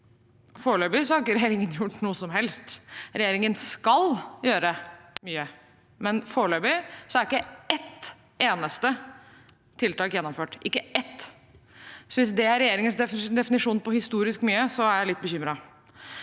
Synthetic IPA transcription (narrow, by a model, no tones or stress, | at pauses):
foːɭøːbɪsɔhɑɾɪkːəɾɛjeːɾɪŋənjʊʈːnuːəsɔmɦɛlst̪ɾɛjeːɾɪŋənskɑljøːɾəmyːə | mɛnfoːɭøːbɪsɔæɾɪkːəɛt̪ | eːnəst̪ə | t̪ʰɪlt̪ɑːkjɛnːɔmføːʈɪkːəʔɛt̪ː | sɔʋɪsd̪ɛæɾɛjeːɾɪŋənsd̪ɛfd̪ɛfɪnɪʂuːnpɔhɪst̪uːɾɪskmyːəsɔæɾjæɪlɪt̪ːbəçʏmɾɑ